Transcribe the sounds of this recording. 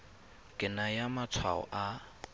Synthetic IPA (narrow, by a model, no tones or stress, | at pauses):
kʼɪnajamat͡sʰwa̰ɔ̰ʔa